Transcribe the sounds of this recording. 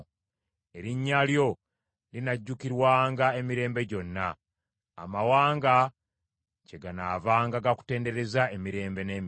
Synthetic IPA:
e̞ɾiɲːaljo̞ | linaɟːukiɾwaːŋɡaemiɾe̞ːmbe̞ɟo̞nːa̰ː | mawaːŋɡa | ce̞ɡanavaːŋɡaɡaku̥te̞ːnde̞ɾe̞zaemiɾe̞ːmbe̞ne̞ːm

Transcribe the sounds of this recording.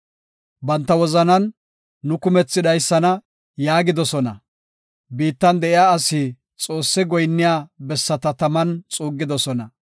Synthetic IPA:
bɐnt̪ːɐwɔzɐnɐnː | ʊkʊmɛt͡sːɪd̪ɐjsːɐnɐ | jaːɡɪd̪ɔsɔnɐ̰ | biːt̪ːɐnd̪ɛʔɪjaːɐsi | t͡sʼo̞ːsːɛɡɔjnːɪjaːbɛsːɐt̪ɐt̪ɐmɐnt͡sʼuːɡːɪd̪ɔsɔnɐ

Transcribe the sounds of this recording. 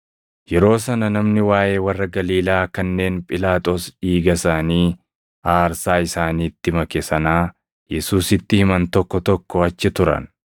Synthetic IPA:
jɛɾo̞ːs̬ɐnɐnɐmnɪwaːje̞ːwɐrːɐɡɐliːlaːkɐnːe̞ːnpʼɪlaːt̪ʼo̞ːsiːɡɐsaːniː | aːɾsaːɪsaːniːt̪ːɪmɐkesɐnaː | jɛsuːsɪt̪ːɪhɪmɐnt̪ɔkːɔt̪ɔkːɔɐt͡ʃːɪt̪ʊɾɐ̰n

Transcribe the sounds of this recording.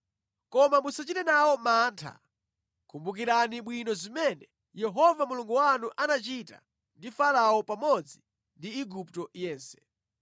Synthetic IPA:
kɔmamusat͡ʃitɛnawɔmaːntʰa̰ | kʰumbuk̬iɾaniɓwinɔzimɛnɛ | jɛɦɔvamuluŋɡuwanuʔanat͡ʃita̰ | ndifalawɔpamɔd͡zi | ndiːɡuptɔjɛːnsɛ̥

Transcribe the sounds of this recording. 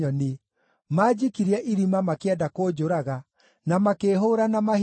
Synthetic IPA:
ɔni | maːd͡ʑikiɾiɛʔiɾimamakeɛdakoːd͡ʒoɾaɣa | namakeːɦoɾanamah

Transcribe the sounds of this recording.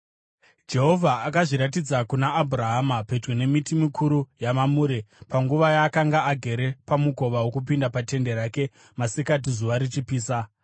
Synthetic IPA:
d͡ʒe̞ɦo̞vʱaːkaʐiɾat̬id͡zakunaʔːbʱuraɦamaped͡ʒwene̞mitimikʰuɾujamamuːɾepaŋɡuʋajaːkaŋɡaaɡʱe̞ɾe̞pamuɡʱo̞ʋawo̞kupindapate̞nde̞ɾaːke̞ | masikat̬izuʋaɾit͡ʃipiːsa

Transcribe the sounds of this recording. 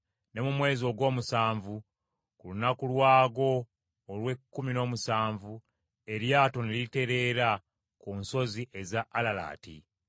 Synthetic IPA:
ne̞mumwe̞ːzio̞ɡo̞ːmusaːɱvu | kulunakulwaːɡo̞ː | lwe̞kːumino̞ːmusaːɱvu | e̞ɾjaːto̞niliite̞ɾe̞ːɾa | kuːnso̞ziʔe̞zaʔːlala̰ːtḭ

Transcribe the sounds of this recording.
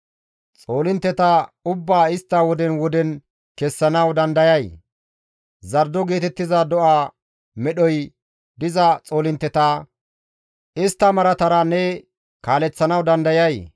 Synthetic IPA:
t͡sʼo̞ːlɪnt̪ːɛt̪aʊbːaːɪst̪ːaːwɔd̪ɛnwɔd̪ɛn | kɛsːɐnɐwd̪ɐnd̪ɐjɐj | zɐɾd̪ɔɡe̞ːt̪ɛt̪ːɪzad̪ɔʔaː | mɛɗɔj | d̪ɪzɐt͡sʼo̞ːlɪnt̪ːɛt̪aː | ɪst̪ːɐmɐɾɐt̪ɐɾɐnːɛ | kaːlɛt͡sːɐnɐwd̪ɐnd̪ɐjɐj

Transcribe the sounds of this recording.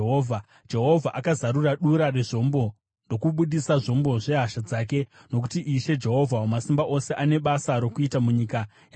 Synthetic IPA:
ɦoːvʱa | d͡ʒe̞ɦo̞vʱaʔakazaɾuraɗuɾare̞ʐo̞mbo̞ | ndo̞kuɓuɗisaʐo̞mbo̞ʐe̞ɦaʃad͡zaːk̬e̞ | no̞k̬utiʔiʃe̞d͡ʒe̞ɦo̞vʱawomasimbaʔo̞se̞ʔane̞ɓasaɾo̞kuitamuɲiːka | ja

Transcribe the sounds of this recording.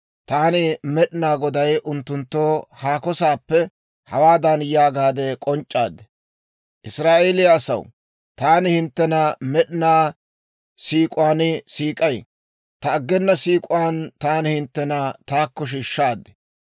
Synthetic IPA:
t̪aːnɪmɛɗɪnaːɡɔd̪ɐjʔʊnt̪ːʊnt̪ːoːhaːkɔsaːpːɛ | hɐwaːd̪ɐnjaːɡaːd̪ɛkʼɔnt͡ʃʼːaːd̪ɛ̥ | ʔɪsɾaːʔelɪjaːsɐ̰w | t̪aːnɪhɪnt̪ːɛnɐmɛɗɪnaː | siːkʼʊwaːnɪsiːkʼɐj | t̪ɐːɡːɛnːɐsiːkʼʊwaːnt̪aːnɪhɪnt̪ːɛnɐt̪aːkːɔʃ̬iːʃːaːd̪ɛ̥

